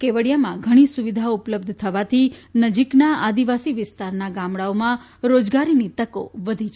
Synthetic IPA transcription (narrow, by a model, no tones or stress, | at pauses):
keʋəɽijamãɡʱəɽ̃isuʋid̪ʱaupləb̚d̪ʱt̪ʰəʋat̪ʰinəd͡ʒiknaad̪iʋasiʋɪst̪aɾnaɡamɽaomã | ɾod͡ʒɡaɾinit̪əko̰ʋəd̪ʱit͡ʃʰ